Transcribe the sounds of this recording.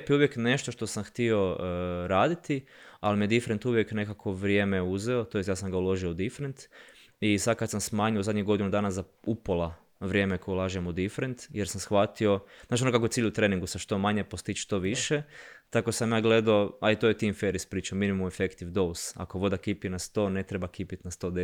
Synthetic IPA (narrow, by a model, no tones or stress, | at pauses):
epjiuʋje̞kne̞ʃt̪o̞ʃt̪o̞samxt̪io̞ɾaːd̪it̪i | alimijed̪ifɾe̞nt̪uʋje̞kne̞kako̞ʋɾʲjeːme̞uzeo̞t̪oest̪jaːsamɡaulo̞ʒioud̪ifɾent̪ | isad̪̚kad̪samsmaːɲuozad̪ɲeɡo̞d̪inud̪aːnazaupolˠa | ʋɾje̞ːmekojelˠaːʒemud̪ifɾent̪jeɾsamsxʋat̪io̞znaːt͡ʃionokakoet̪iːʎut̪ɾeːniŋɡusaʃt̪o̞maɲepo̞st̪it͡ʃʃt̪o̞ʋiʃe̞t̪akosamjaːɡle̞d̪aoajt̪ojet̪iːmfeɾis̚pɾiːt͡ʃaminimumefekt̪iʋd̪o̞sa̰ko̞ʋo̞d̪akipinast̪o̞ːne̞t̪ɾebakipit̪nast̪o̞d̪e